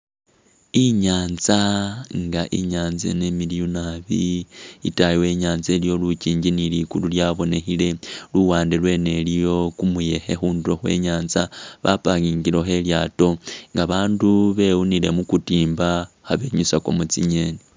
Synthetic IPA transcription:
iɲaːnzaŋɡaʔḭɲaːnzḛnemilijunaβḭḭtajiwe̞ɲaːnze̞lijo̞luciːɲɟinilikululjaβo̞ne̞xile̞luwaːndelwe̞ːne̞lijo̞kumuje̞xe̞xuːnduɾo̞xwe̞̰ːɲaːnzaβapaɣiːŋɡilo̞xe̞ljaːto̞ŋɡaβaːnduβe̞wunile̞mukutiːmba | haβe̞ɲusako̞̰mut͡sḭɲe̞ni

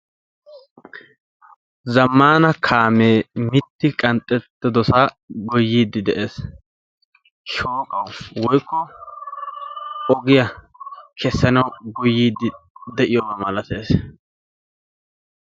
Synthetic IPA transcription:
zɐmːaːnɐkʰaːmeːmɪt̪ːɪkʼɐnt̪ʼːɛt̪ːɪd̪ɔsa | ɡɔjːiːd̪ːɪd̪ɛʔe̞ːs | ʃoːkʼɐwwɔjkʰːɔ | ɔɡɪjɐ | kʰɛsːɐnɐwɡʊjːiːd̪ːɪd̪ɛʔɪjɔmɐmɐlɐt̪eːs

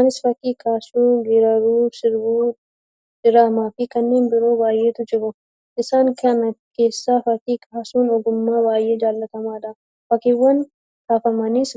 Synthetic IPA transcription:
anɪsfɐkiːkʰaːsuːɡeːɾɐɾuːsɪɾwuː | d͡ʒɪɾaːmaːfɪkɐnːeːnbɪɾo̞ːbaːjeːt̪ʊd͡ʒɪbɔ | ʔɪsaːŋkʰɐnɐke̞ːsːaːfɐkiːkʰaːsuːnɔɡʊmːaːbaːjeːd͡ʒaːlːɐt̪ɐmaːd̪ɐ | fɐkɪwːɐn | h̪aːfɐmɐniːs

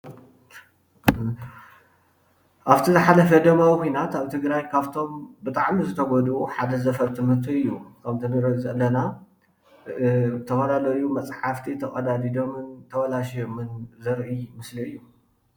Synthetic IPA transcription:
ʔaβt̪ʰizɨħalɐfɐd̪ɐmawikʰʷojnat̪aβt̪ʰɨɡɾajkʰaβt̪ʰo̞mbɨt̪ʼaʕmizɨt̪ʰɐɡɔd̪uħad̪ɐzɐfɐɾt̪ʰɨmhɨɾt̪ʰuɨjːukʰɐmt̪ʰɨnɨɾzɐlːɐna | t̪ʰɐfɐlalɐjumɐt͡sʼħaft̪ʰit̪ʰɐkʼɐd̪ad̪id̪o̞mɨnt̪ʰɐwɐlaʃjomɨnzɐɾʔɨmɨsliɨjːu

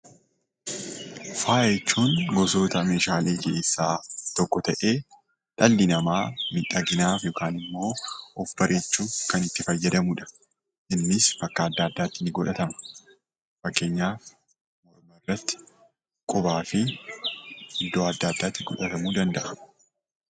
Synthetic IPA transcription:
faːjɛt͡ʃːuːnɡɔso̞ːt̪ɐmeːʃaːle̞ːke̞ːsːaːt̪ɔkːɔt̪ɐʔe̞ː | ᶑ̪ɐlːɪnɐmaːmɪᶑɐɡɪnaːfjɔkaːnɪmːo̞ːʔɔfbɐɾʔe̞ːt͡ʃːuːkɐnɪt̪ːɪfɐjːɐd̪ɐmuːᶑɐ̥ | ʔɪnːɪsbɐkːɐːd̪ːaːd̪ːaːt̪ːɪnɪɡɔᶑɐt̪ɐmɐ̥ | fɐkːe̞ːɲːaːf | mɔɾmɐrːɐt̪ːɪ̥ | kʼʊbaːfɪ | ɪd̪ːoːɐd̪ːɐd̪ːaːt̪ːɪɡɔᶑɐt̪ɐmuːd̪ɐnd̪ɐʔɐ

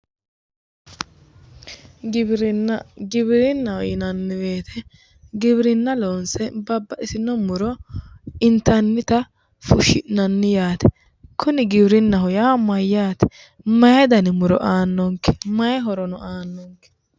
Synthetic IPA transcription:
ɡɾɡɪbɪɾɪnːɐɔjɪnɐnːɪbe̞ːt̪ʰɛ | ɡɪbɾɪnːɐloːnsɛbɐbːɐʔɪsɪnːɔmʊɾɔ | ɪnt̪ɐnːɪt̪ɐ | fʊʃːɪʔnɐnːɪjaːt̪ɛ̥ | kʰʊnɪɡɪbɾɪnːɐɦʊjaːmɐjːaːt̪ɛ̥ | mɐjɛd̪ɐnɪmʊɾɔ̰ʔaːnːɔŋkːɛ̥mɐjɛɦɔɾɔnɔaːnːɔŋkɛ̥

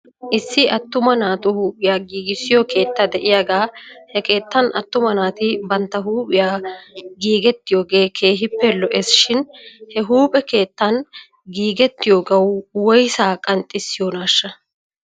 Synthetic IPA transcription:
ʔɪsːɪɐt̪ːʊmɐnaːt̪ʊhuːpʼɪjaːɡiːɡɪsːɪjɔkʰe̞ːt̪ːad̪ɛʔɪjaːɡaːhɛke̞ːt̪ːɐnɐt̪ːʊmɐnaːt̪ɪbɐnt̪ːɐɦuːpʼɪjaːɡiːɡɛt̪ːɪjoːɡe̞ːkʰe̞ːɦɪpːɛlɔʔɛsʃɪnhɛɦuːpʼɛke̞ːt̪ːɐn | ɡiːɡɛt̪ːɪjoːɡɐwwɔjsaːkʼɐnt̪ʼːɪsːɪjoːnaːʃːɐ

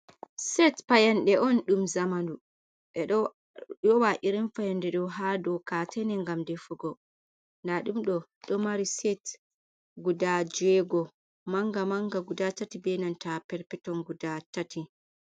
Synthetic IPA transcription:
sɛtpajanɗɛʔɔnɗumzamandu | ɛɗɔ | jɔwaʔiɾinfajandɛɗɔɦadɔkatʰɛnɛŋɡamdɛfuɡɔ | ndaɗumɗɔɗɔmaɾisɛt | ɡudad͡ʒɛɡɔ | maŋɡamaŋɡaɡudatatibɛnantapɛɾpɛtɔnɡudatati

